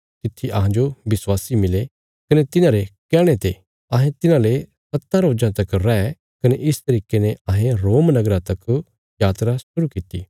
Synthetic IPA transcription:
t̪ɪt̪ʰːiʔɐɦãd͡ʒobɪswaːsimɪle | kɐnet̪ɪnãːɾekɛːɽ̃et̪e | ɐɦẽt̪ɪnãle | sɐt̪ːaɾoːd͡ʒãt̪ɐkɾɛɛ | kɐneʔɪst̪ɐɾiːkenɛɐɦẽɾoːmnɐɡɾãt̪ɐk | jaːt̪ɾasʊɾukɪt̪iː

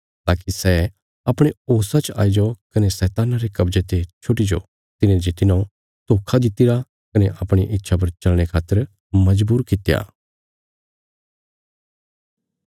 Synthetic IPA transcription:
t̪aːkisɛ | ɐpɽ̃eoːsat͡ʃa̰ːid͡ʒokɐnesɛːt̪aːnaɾekɐbd͡ʒet̪et͡ʃʰoʈid͡ʒo̰ | t̪ɪnẽd͡ʒet̪ɪnã | t̪oːkʰad̪ɪt̪ɪɾa | kɐneʔɐpɽ̃iʔɪtːʃʰap̬ɐɾt͡ʃɐlɽ̃ekʰaːt̪ːəɾ | mɐd͡ʒbuːɾkɪt̪ja̰ː

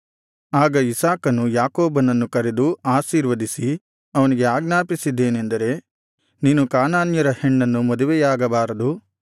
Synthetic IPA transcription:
aːɡɐisaːkɐnujaːkoːbɐnɐnːukɐɾed̪uaːʃiːɾʋɐd̪isi | ɐʋɐniɡe̞aːɡnaːpisid̪ːeːnend̪ɐɾe̞ | niːnukaːnaːnjɐɾɐheɳːɐnːumɔd̪uʋɛjaːɡɐbaːɾɐd̪u

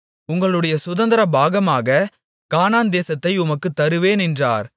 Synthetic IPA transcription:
ʊŋɡɐɭɯɽɐjɐsʊðɐnd̪ɐɾɐbʱaːɣɐmaːɣɐ | kaːnaːnd̪eːsɐt̪ːɐɪʊmɐkːɯt̪ːɐɾɯʋeːnɪndra̰ːɾ

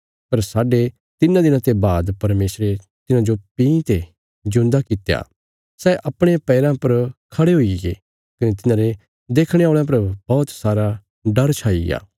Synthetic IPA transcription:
pɐɾsaːɖe | t̪ɪnãd̪ɪ̃nãt̪ebaːd̪pɐɾmeːsɾe | t̪ɪnãd͡ʒopĩːt̪e | d͡ʒʊ̃nd̪akɪt̪eja̰ː | sɛːʔɐpɽ̃epɛːɾãpɐɾkʰɐɽeɦʊiɡḛ | kɐnet̪ɪnãːɾe | d̪eːkʰɽ̃eoːɭ̃ãp̬ɐɾbɔːt̪saːɾa | ɖɐɾt͡ʃʰaːḭja̰ː

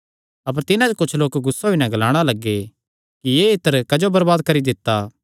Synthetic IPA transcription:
ɐp̬əɾt̪ɪnãd͡ʒokʊt͡ʃʰloːkɡʊsːoɦinɛ̃ɡɐlaːɽ̃alɐɡːe | kijeːɪt̪əɾkɐd͡ʒobɐɾbaːd̪̚kɐɾid̪ɪt̪ːaː

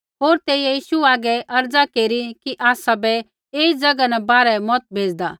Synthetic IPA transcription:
ɦoːɾt̪eːjejiːʃuaːɡɛʔɐɾd͡zakeːɾikiʔaːsabɛ | eːid͡zɐɡanɛbaːɾɛmɔt̪̚bʱeːd͡zd̪aː

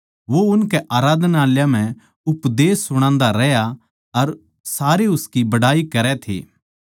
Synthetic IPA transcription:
ʋoʊnkɛʔaːɾaːd̪naːljãm̤ɛ̃ | ʊpd̪eːsːʊɽ̃ãːnd̪aɾɛja | ɐɾ | saːɾeʊskibɐɽaːikɐɾɛt̪ʰḛː

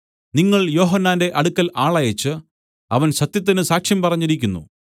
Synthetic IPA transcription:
niŋːɐɭjo̞ːɦɐnːaːnde̞ʔɐɽukːɐlaːɭɐjɐt͡ɕːɨ | ɐʋɐnɕɐt̪jɐt̪̬ːinɨsaːkʂjɐmpɐrɐɲːiɾikʲːunːṵ

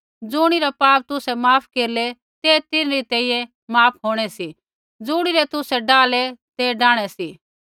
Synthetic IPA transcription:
d͡zʊɽ̃iɾapaːp̚t̪ʊsɛmaːpʰkeːɾlɛ | t̪eːt̪ɪnɾit̪ɛ̃ːijɛ | maːpʰɦoːɽ̃ɛsi | d͡zʊɽ̃iɾɛt̪ʊsɛɖaːlɛt̪ɛɖaːɽ̃ɛsiː

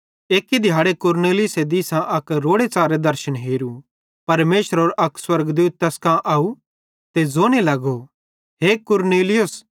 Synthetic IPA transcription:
eːkid̪ʱɪjaːɽekʊɾneːlɪjʊsed̪iːsãʔɐkɾoːɽet͡saːɾed̪ɐɾʃənɦeːɾu | pɐɾmeːʃəɾɦoːɾʔɐkswɐɾɡd̪uːt̪̚ːɛskãʔaːu | t̪ezoːnelɐɡo | ɦeːkʊɾneːlɪjʊs

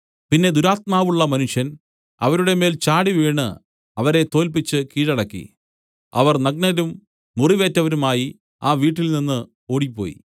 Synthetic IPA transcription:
pinːe̞d̪uɾaːt̪̚maːʋuɭːɐmɐnuʂjɐn | ɐ̰ʋɐɾuɽe̞me̞ːlt͡ɕaːɽiʋeːɳɨ | ɐʋɐɾe̞t̪o̞ːlpit͡ɕːɨkiːɻɐɽɐkːḭ | ɐ̰ʋɐrnɐɡ̚nɐɾumː | uriʋe̞ːtːɐʋɐɾumaːji | aːʋiːʈːilninːɨ | o̞ːɽipːo̞̰ːjḭ

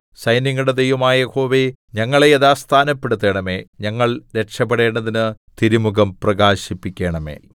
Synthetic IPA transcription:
sɐjniŋːuɽed̪ejʋɐmaːjɐho̞ːʋi | ɲɐŋːɐɭeeðaːst̪ʰaːnɐpːe̞ɽut̪ːe̞ːɳɐme̞ːɲɐŋːɐɭɾe̞ʂɐp̬ːeɽe̞ːɳɖɐðinɨt̪iɾumuɣɐmprɐɡaːɕipːikʲːeːɳɐmḛː

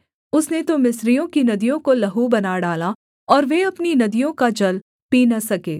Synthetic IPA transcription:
ʊsnet̪omɪsɾijõkinɐd̪ijõkolɐɦubɐnaɖaːla | ɔːɾʋeɐpninɐd̪ijõkad͡ʒɐl | piːnɐsɐkeː

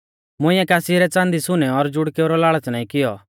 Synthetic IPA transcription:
mʊ̃ɪ̃jɛ̃kaːsiɾɛt͡sãːnd̪isʊnɛɔɾd͡ʒʊɽkeːʊɾɔlaːɭat͡snãːĩkɪjɔ̰

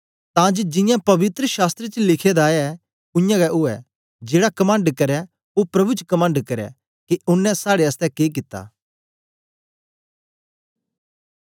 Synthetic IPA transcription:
t̪ãd͡ʒed͡ʒɪ̃jãpɐʋɪt̪ɾəʃaːst̪ɾet͡ʃlɪkʰed̪aɛ | ʊ̃jãɡɛʊɛ̰ | d͡ʒeːɽakɐmãːɳɖkɐɾɛ | opɾɐbʱut͡ʃkɐmãːɳɖkɐɾɛ̰ | keʊnːɛ̃saːɽeɐst̪ɛkeːk̬ɪt̪ːa̰ː

